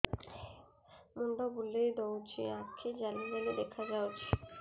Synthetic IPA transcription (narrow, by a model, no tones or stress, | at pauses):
munɖobulːejd̪owt͡ɕʰiakʰed͡ʑalibalid̪ekʰad͡ʑawt͡ɕʰi̥